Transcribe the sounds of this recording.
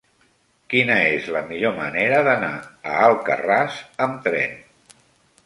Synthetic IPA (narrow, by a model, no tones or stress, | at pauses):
kinəezləmiʎoməneɾəðənaə̰alˠkə̰rasəmt̪ɾɛ̰n